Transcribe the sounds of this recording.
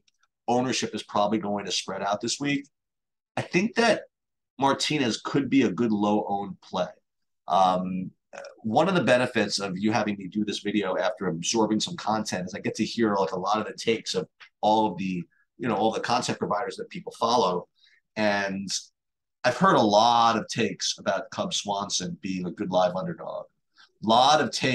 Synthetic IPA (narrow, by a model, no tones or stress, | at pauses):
õʊ̃nə˞ʃɨpɨz̥pʰɹ̥ɑbəbliɡoʊɪ̃ŋtʰɨspɹɛɾaʊt̪̚ðɪswik | aɪθɪ̃ŋk̚ðɨt̚ | mɑɹtʰĩnɨz̥kʰɨd̚biɨɡʊdˡloʊʔõʊ̃npʰl̥eɪ | ʔʌ̃m | ʌ̰wʌ̃nʌvðəbɛnɨfɪtsʌvjɨhævɪ̃ŋmidɨðɪsvɪɾioʊæftə˞ɨbzɔɹbɪ̃ŋsʌ̃mkʰɑ̃ntʰɛ̃ntɨzaɪɡɛtʰɨhiɹlaɪkəlɔɾʌvðɨtʰeɪksʌvɔlˠʌvðɨ | jɨñoʊɔlˠðəkʰɑ̃ntʰɛ̃npʰɹ̥əvaɪɾə˞zðɨt̚pʰipl̩ˠfɑlˠoʊ | ɨ̃n | aɪv̥hɜ˞ɾəlɔɾʌv̥tʰeɪksəbaʊt̚kʰʌb̥swɑ̃nsɨ̃nbiɪ̃ŋɨɡʊdˡlaɪvʌ̃ndə˞dɔ̰ɡ̥̚ | lɔɾʌv̥tʰeɪ